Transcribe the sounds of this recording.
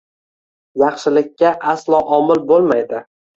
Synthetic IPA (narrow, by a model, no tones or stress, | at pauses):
jɑχʃɪlɪkʲʰːaʔaslˠɒʔɒmɪlbolˠmajd̪ɪ